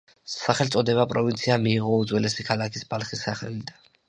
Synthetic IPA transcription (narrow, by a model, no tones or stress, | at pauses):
saχɛlt̪sʼɔd̪ɛβapʼɾɔvint̪sʰiamiːʁɔud̪zwɛlɛsikʰalakʰisbalˠχisːaχɛ̰lid̪a